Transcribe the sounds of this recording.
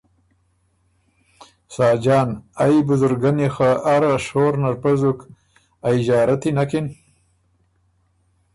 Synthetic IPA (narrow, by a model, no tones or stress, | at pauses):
sɑːd͡ʒɑːnajbʊzʊɾɡanixaaɾaʃoːɾnaɾpazuk | ajid͡ʒɑːɾat̪inakin